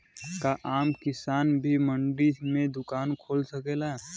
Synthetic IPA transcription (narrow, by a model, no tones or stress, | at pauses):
kaʔaːmkɪsaːnbʱiməɳɖimẽd̪ʊkaːnkʰoːlsəkelaɦɛ